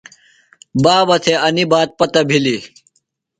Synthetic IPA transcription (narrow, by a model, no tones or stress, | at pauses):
baːbɐt̪ʰeɐnibaːt̪̚pɐt̪ɐbʱili